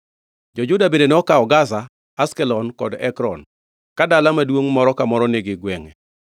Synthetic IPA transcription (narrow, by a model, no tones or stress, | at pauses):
d͡ʒɔd͡ʒʊdabendenɔkaɔɡasa | askɛlɔnkɔdɛkɾɔn | kadalamadwoŋmɔɾɔkamɔɾɔneɡɪɡwɛŋɛ